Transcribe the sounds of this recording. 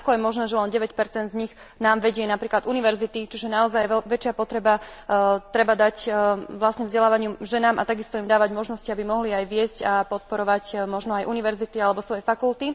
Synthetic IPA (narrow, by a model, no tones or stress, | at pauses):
akɔjɛmɔʒnɛːʒɛlɛnɟɛʋɛcpɛɾt͡sɛnd̪zɲix | naːmʋɛɟɪɛnapɾiːklad̪uniʋɛɾzit̪it͡ʃiʒɛnaɔzajʋɛt͡ʃɪapɔt̪ɾɛba | t̪ɾɛbad̪acʋlasɲɛvzɟɛlaːʋaɲɪuʒɛnaːmʔa̰t̪aɡist̪ɔimd̪aːʋaɟmɔʒnɔsciabimɔɦliajʋɪɛscapɔt̪̚pɔɾɔʋacmɔʒnɔajʔuniʋɛɾzit̪ialɛbɔsʋɔjɛfakult̪i